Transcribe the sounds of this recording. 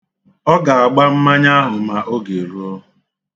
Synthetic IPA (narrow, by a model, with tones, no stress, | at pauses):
ɔ˦ɡa˨a˨ɡ͡ba˦m̩˦ma˦ɲa˦a˦ɦʊ˨ma˨ʔo˦ɡe˨ɾu˦ɔ˦ɦ